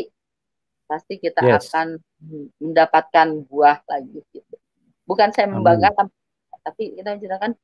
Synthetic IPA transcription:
past̪ikit̪aakan | məndapat̪̚kanbuahlaɡiɡit̪̚u | bukansajaməmbaɡakam | tat̪apikit̪aəd͡ʒunakan

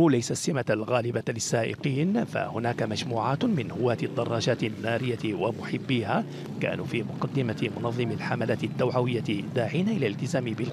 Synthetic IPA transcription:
lajsasːɪmalɣaːlɪbalɪsːaːʔɪ̰qiːnfa̰hʊnaːkamaʒmuːʕaːt̪mɪnhʊwːaːt̪ɪd̪ːɑrˤːɑːʒaːt̪nːaːɾɪjːawamʊħɪbːiːhaː | ka̰ːnuːfiːmʊqɑd̪ːɪmamʊnɑðˤːɨmɪlħamalaːt̪ɪt̪ːawʕawɪjːaɪd̪aːʕiːnaʔɪlalɪlt̪ɪzaːmɪbɪl

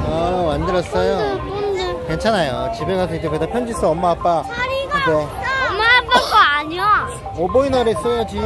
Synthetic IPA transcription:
ʌmandɯɾʌs͈ʌjo | ke̞nt͡ɕʰanajot͡ɕibe̞ɡadwedekedapʰjʌnd͡ʑis͈ɯʌmːaɦap͈aibe | mːaap͈ːaɡoaɲa | ʌboinʌɾes͈ojʌd͡ʑi

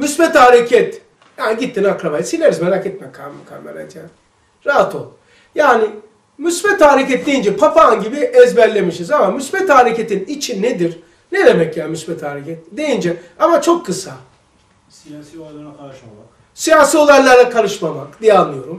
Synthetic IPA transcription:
mysbɛt̪haɾecʰɛt̪ | jaːniɟit̪ʰːinakɾabaɛsilʲːeɾizmeɾacɛt̪̚mɛkʰamakʰa̰mɛ̰ɾa̰t̪ʰjaːn | ɾaɦat̪ʰolˠ | jaːni | mysbɛt̪aːɾecɛt̪̚d̪ejind͡ʒɛpʰafanɟibiʔɛzbæɾlʲe̞miʃizamamysbɛt̪aɾecʰet̪init͡ʃʰinnːed̪iɾ | ned̪emɛcjaːnmysbɛt̪ʰaːɾecʰɛt̪̚d̪ejind͡ʒɛamat͡ʃʰo̞kːɯsa | sijaːsio̞lˠajlˠaɾakʰalˠɯʃmamakd̪ijɛanːɯjo̞ɾum

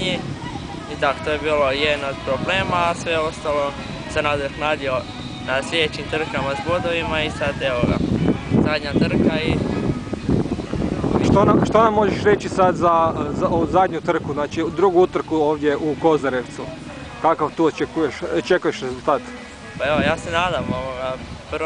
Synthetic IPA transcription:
ɲi | id̪at̪ojebiːlojed̪nod̪pɾobleːmaːsʋeost̪alo̞ | senad̪ɾxnaːd̪io̞ | nasjed̪et͡ɕimt̪r̩kamazbod̪oʋimaisad̪eoɡa̰zad̪ɲat̪r̩kai | ʃt̪oonaʃt̪oonamo̞ʒeʃɾe̞t͡ʃisad̪zazaozad̪ɲut̪r̩kuznaːt͡ʃid̪ɾuɡuut̪r̩kuoːʋd̪je̞ʔuko̞zaɾe̞ʋt̪su | kakaʋt̪uːot͡ʃekujeʃot͡ʃe̞kujeʃɾezulˠt̪aːt̪ | paeʋojaːsenaːd̪amoʋoɡapr

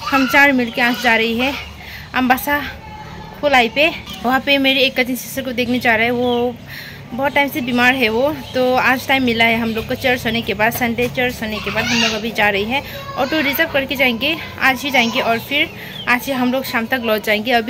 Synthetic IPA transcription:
hɐmt͡ʃãːɽmɪlkeãːsd͡ʒaːɾɐɦiɦɛ̃ | ɐmbaːsa | kʰolaːipeʋɐɦãpemeːɾieːkːɐd͡ʒʰənisɪsɾkod̪eːkʰned͡ʒaːɾaɦɛʋo | bɔːt̪ːaːɪmsebiːmaːɾɦɛʋot̪oaːd͡ʒʈaːɪmːɪlaɦɛɦɐmloːɡ̚kot͡ʃɐɽsonekebaːd̪sɐ̃ɳɖet͡ʃəɾsonekebaːd̪ɦɐmloːɡɐbʱid͡ʒaːɾɐɦiɦɛ̃ | ɔːɾʈ̪oɾɪzəp̚kɐɾked͡ʒaːẽːŋɡe | a̰ːd͡ʒɦid͡ʒaːẽːŋɡeʔɔːɾfʰɪɾ | aːd͡ʒiɦɐmloːɡʃãːmt̪ɐklɔːt̪̚d͡ʒaːẽːŋɡeɐbʱi

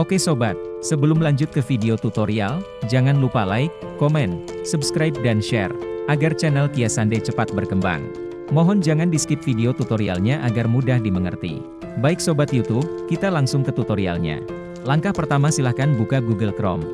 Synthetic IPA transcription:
ʔokesobat̪̚səbəlʊmlaɲd͡ʒʊt̪̚kəfideot̪ut̪oɾial | d͡ʒaŋanlupalaɪkːomɛnsubskɾajp̚danʃɛ̰rʔaɡart͡ʃɛnɛlkiasandat͡ʃəpat̪̚bərkəmba̰ŋ | moɦɔnd͡ʒaŋandisə̥kɪt̪̚fideot̪ut̪oɾia̰lɲaʔaɡarmudahdiməŋə̰rt̪ḭ | baɪksobat̪jut̪ub̚kit̪alaŋsʊŋkət̪ut̪oɾia̰lɲa̰ | laŋkahpərt̪amasilahkanbukaɡuɡəlkɾɔ̰m

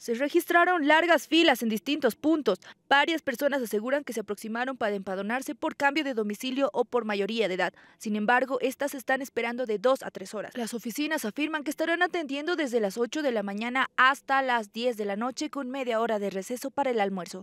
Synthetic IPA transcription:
se̞re̞xist̪ɾaɾo̞nlaɾɣasfilasend̪ist̪int̪o̞spunt̪o̞sb̥aɾjaspe̞ɾso̞nasase̞ɣuɾaŋke̞se̞apɾo̞ksimaɾo̞mpaɾaempað̞onaɾse̞po̞ɾkambjo̞ðe̞ðo̞misiljo̞ʔopo̞ɾmaʝo̞ɾiaðeðað | sinẽ̞mbaɾɣo̞ʔe̞st̪aseːst̪ane̞spe̞ɾand̪o̞ðe̞ðo̞sa̰t̪ɾe̞so̞ɾa̰slaso̞fisinasafiɾmaŋk̬eːst̪aɾanat̪e̞nd̪je̞nd̪o̞ðe̞zðe̞laso̞t͡ʃo̞ðe̞lamãɲãnaast̪alazðje̞z̬ðe̞lano̞t͡ʃe̞ko̞nme̞ðjao̞ɾaðe̞re̞se̞so̞paɾaelalmwe̞ɾso̞

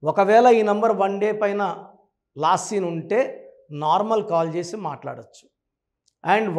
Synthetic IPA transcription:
ɔkɐʋɛːɭɐiːnɐmbɐɾʋɐɳɖeːpɐjnɐ | laːsiːnuɳʈe̞ː | naːɾmɐlkaːlt͡ʃe̞ːsimaːʈla̰ːɽot͡ʃːu̥ | ɐɳɖ

